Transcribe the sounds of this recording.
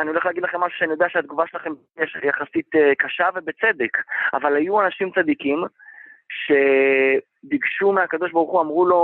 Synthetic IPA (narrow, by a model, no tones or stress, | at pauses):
anioleχlaːɡid̪laχe̞mːaʃu̥ʃeanijo̞d̪eaʃeat̪̚ɡuvaʃelaχe̞m | jeʃjaχasit̪kaʃave̞bet͡se̞d̪eka̰valajuanaʃimt͡sad̪ikim | ʃe̞ | d̪iɡʃumeakad̪o̞ʃ̬baʁuχuamʁulo̞